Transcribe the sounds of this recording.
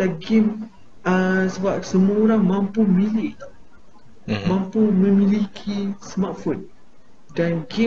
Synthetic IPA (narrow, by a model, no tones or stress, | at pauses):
laɡim | əsəbap̚səmuaoɾaŋmãmpumilɪʔ̪ | mãmpumə̃milikʰismat̪̚fun̚ | danɡi